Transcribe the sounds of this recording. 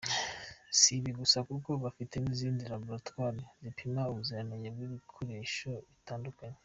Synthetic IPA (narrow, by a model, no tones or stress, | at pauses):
siβiɡusakuko̞βafite̞niziːndiɾaboɾatwaːɾizipʰimauβuzianaɲebɡwiβikʰo̞ɾe̞ːʃo̞βitaːndukaɲe